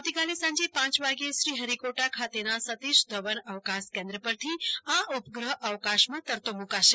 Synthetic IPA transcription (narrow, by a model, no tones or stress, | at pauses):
awt̪ikalesãɲd͡ʒepãt͡ʃʋaɡieʃɾiɦəɾikoʈakʰat̪enasət̪iʃd̪ʱəʋənəʋkãskẽnd̪ɾəpəɾt̪ʰiãʔupəɡɾəɦʔəʋkaʃmãt̪əɾt̪omũkaʃe